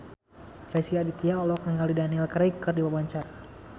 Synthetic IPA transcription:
fɛsiadit̪iaɔlɔk̚niŋalidaniɛlkɾɛikərdiwabaɲt͡ʃaɾa

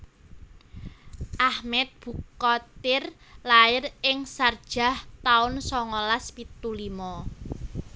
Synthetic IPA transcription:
ʔahmɛt̪̚b̥ukkɔt̪ɪr | laɪrɪŋsard̥ʒ̥a̤ht̪aʊnsɔŋɔlaspit̪ulimɔ

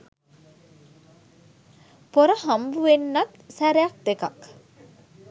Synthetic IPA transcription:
poɾəhambuʋenːat̪sæɾejak̚t̪ekak

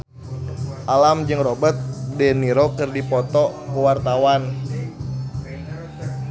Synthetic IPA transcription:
ʔalamd͡ʒɨŋrobət̪̚dɛniɾokɨrdipɔt̪ɔkəwart̪awan

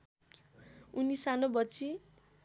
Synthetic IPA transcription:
unisanobʌt͡sʰi

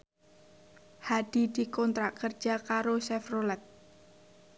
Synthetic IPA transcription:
had̥i̤d̪̥ikɔnt̪ɾaʔkər̥d͡ʒ̥akaɾosɛfrolɛt̪̚

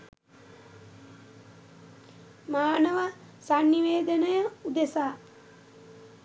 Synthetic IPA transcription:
maːnəʋəsanːiʋeːd̪ənəjəud̪esaː

